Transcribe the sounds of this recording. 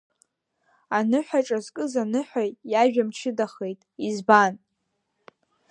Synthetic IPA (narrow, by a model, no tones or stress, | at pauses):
anɨħʷᶣaʈ͡ʂʼazkʼɨzanɨħʷᶣajtʼjaʒᶣamt͡ʃʰɪdaχe̞jtʼizban